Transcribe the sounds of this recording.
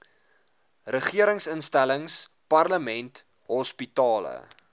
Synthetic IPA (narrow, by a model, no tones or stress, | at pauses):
rəχiəɾəŋsənstæləŋspɐrləmɛnt | ɦɔspitɑːlə̰